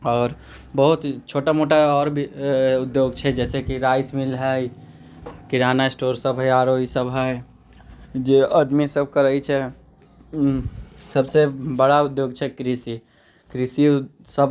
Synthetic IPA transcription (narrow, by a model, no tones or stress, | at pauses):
ɔːɾ | bəɦut̪t͡ʃʰoːʈamoʈaɔːɾbʱiʊd̪joːɡt͡ʃʰɛd͡ʒɛːsekiɾaːɪsmilɦəj | kɪɾanasʈoːɾsəbʱɦəaɾoːisəbɦə | d͡ʒeəd̪misəbʱkəɾəit͡ʃʰɛ | səbsebəɽaʊd̪joːɡ̚t͡ʃʰɛkɾisi | kɾisi | səb